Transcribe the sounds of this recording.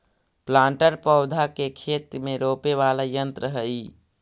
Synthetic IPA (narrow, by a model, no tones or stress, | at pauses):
plãːɳʈəɾpəʊd̪ʱakekʰeːt̪ɾmẽɾoːpeʋaːlajənt̪ɾəɦəi